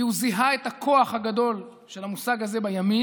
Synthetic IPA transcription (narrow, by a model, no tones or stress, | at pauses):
iuziɦaetakʰo̞aχhaɡado̞l | ʃe̞lamusaɡaze̞bajami